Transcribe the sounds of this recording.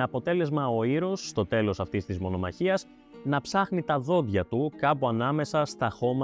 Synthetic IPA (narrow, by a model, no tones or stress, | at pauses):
ɐpo̞t̪e̞le̞zmɐo̞iɾo̞sːt̪o̞t̪e̞lo̞sɐft̪ist̪izmo̞no̞mɐ̰çiɐs | nɐpsɐxnit̪ɐðo̞ðʝɐt̪ukɐpuɐnɐme̞sɐst̪ɐxo̞mɐ